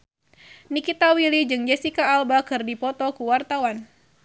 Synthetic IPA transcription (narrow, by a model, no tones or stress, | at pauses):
nikit̪awilid͡ʒɨŋd͡ʒɛsikaːlbakɨrdipɔt̪ɔkuwart̪awan